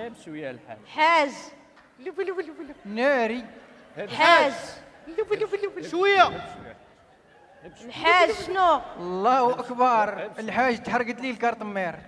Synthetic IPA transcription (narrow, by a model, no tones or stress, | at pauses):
ħaz | næɾi | ħaz | ʃwəjːa | lħazʃnulˤːɑhwʔəkbɑɾˤəlħaʒːt̪ħəɾˤːɡət̪lilkɑɾt̪ˤəmːiɾ